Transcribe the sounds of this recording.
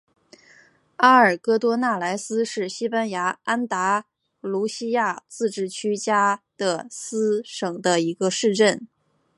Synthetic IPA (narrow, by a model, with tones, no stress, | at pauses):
a˥ə˞˨˩kɤ˥t̪wɔ˥na˥˩la˧˥ɪsɹ̩˥ʂɻ̩˥˩ɕi˥pa˥nja˧˥a˥nt̪a˧˥ | lu˧˥ɕi˥ja˥˧t͡sɹ̩˥˧ʈ͡ʂɻ̩˥˩t͡ɕʰy˥t͡ɕja˥d̪̥ə˧sɹ̩˥ʂɤ˨˩ŋd̪ə˦i˧˥ɡə˧ʂɻ̩˥˧ʈ͡ʂə˥˩n